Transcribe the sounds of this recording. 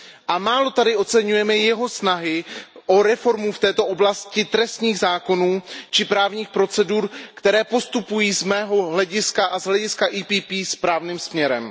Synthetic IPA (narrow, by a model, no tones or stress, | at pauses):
ʔamaːlo̞t̪adɪo̞t͡sɛɲujɛmɛjɛɦo̞snaɦɪʔo̞ɾɛfo̞ɾmuft̪ɛːt̪o̞ʔoblascɪt̪ɾɛst̪ɲiːɣzaːko̞nuːt͡ʃɪpɾaːvɲiːxpɾo̞t͡sɛduːɾkt̪ɛɾɛːpo̞st̪upujiːzmɛːɦo̞ɦlɛɟɪskaʔazɦlɛɟɪskaʔiːpiːpiːspɾaːvniːmsmɲɛɾɛm